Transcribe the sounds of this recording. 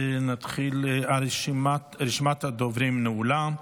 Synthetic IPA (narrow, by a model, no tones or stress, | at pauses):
nat̪χilaɾʃmatɾɪʃmat̪had̪ovɾimnəulam